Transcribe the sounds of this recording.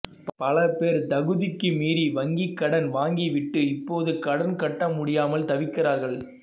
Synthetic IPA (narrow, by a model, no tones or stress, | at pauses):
pɐlɐpeːɾd̪ɐɣɯðɪkːɯmiːɾiʋɐŋɡikːɐɽɐnʋaːŋɡiʋɪʈːɯɪpːoːðɯkɐɽɐnkɐʈːɐmʊɽɪjaːmɐlt̪ɐʋɪkːɪraːɾɣɐɭ